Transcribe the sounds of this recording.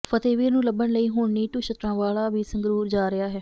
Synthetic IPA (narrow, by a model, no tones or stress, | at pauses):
pʰət̪eːʋiːɾnũːləbːəɳləiːɦʊːɳniːʈʊʃət̪ɾãːʋaːlaːʋiːsə̃ŋɡɾuːɾd͡ʒaːɾɪaːɦɛː